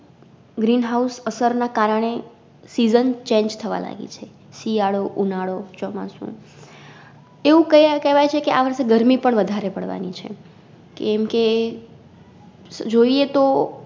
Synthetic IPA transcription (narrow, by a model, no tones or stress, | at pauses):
ɡɾinɦausəsəɾnakaɾəɳ̃e | sizənt͡ʃẽɲd͡ʒt̪ʰəʋa̰la̰ɡḭt͡ʃʰe | siaɽoʔunaɽot͡ʃɔma̰sṵ̃ | eʋũkəkɛʋajt͡ʃʰekeʔaʋəɾseɡəɾmipəɳʋəd̪ʱaɾepəɽʋa̰nit͡ʃʰḛ | kḛːmke | d͡ʒoiet̪o